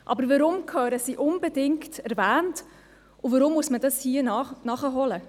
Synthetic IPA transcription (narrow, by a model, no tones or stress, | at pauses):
ʔɑ̰bəɾvəɾʊmkʰœːɾəsiʔʊnbedɪŋktɛɾvæːnt | uvəɾʊmːuəsmədɑshiənɑnɑχəɦɔlə